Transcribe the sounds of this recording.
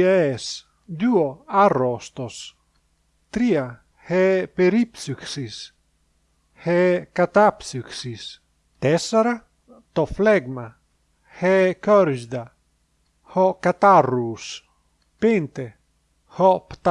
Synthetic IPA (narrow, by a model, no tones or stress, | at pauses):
eɛs | d̪uoarost̪os | t̪ɾia | hɛpeɾipsyksis | hɛkat̪apsyksis | t̪ɛsaɾa | t̪ɔflɛɡma | hɛkɔɾʒd̪a | hɔkat̪aruːs | pent̪e | hɔpt̪